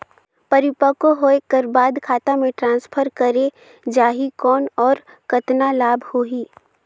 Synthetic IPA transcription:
pɐɾɪpəkoɦoːekəɾbaːd̪kʰaːt̪amẽʈɾãːnspʰəɾkəɾe | d͡ʒaːɦikɔːnɔːɾ | kɐt̪nalaːbʱhoːɦiː

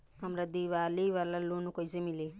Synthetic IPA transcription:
ɦamɾad̪iʋaliʋalalonukʌjzemile

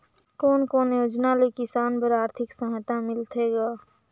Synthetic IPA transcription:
koːnkoːnjoːd͡ʒnalekɪsaːnpəɾaːɾt̪ʰɪksə̃ɦt̪amɪlt̪ʰeɡaː

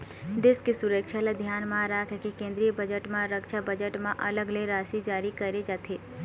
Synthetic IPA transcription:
d̪eskesuɾəkʃʰaled̪ʱjaːnmãɾaːkʰekekẽːnd̪ɾijəbəd͡ʒəʈmãɾəkʃʰabəd͡ʒəʈmãʔɐləɡleɾaːʃid͡ʒaːɾikɐɾed͡ʒaːt̪ʰeː

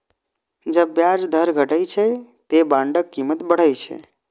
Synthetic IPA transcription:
d͡ʒəbːjad͡ʒd̪ʱəɾɡʱəʈəjt͡ʃʰɛt̪ebãɳɖəkːimət̪bəɽ̤əjt͡ʃʰɛ̰

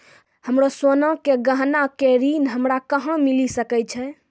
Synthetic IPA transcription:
həmɾoswənãkeɡəɦnakeɾinɦəmɾakəɦə̃milisəkɛt͡ʃʰɛ

